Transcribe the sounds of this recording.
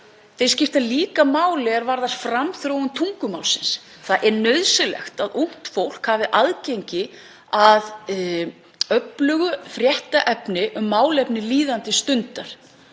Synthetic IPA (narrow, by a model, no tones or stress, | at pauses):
θejscɪft̪aðliːkamaːwlɛɣɛɾvaɾðast̪fɾamθɾowʏmt̪ʰuŋkʏmaːwlsɪns | θaʔɛɾnœɥðsɪlɛ̰xt̪aðuŋ̥t̪fowl̥khaːvɪʔaðcejɲcɪ | að | œplʏɣʏfɾjɛht̪aʔɛpnɪʔʏmːaːwlɛpnɪliːðant̪ɪst̪ʏnt̪aɾ̥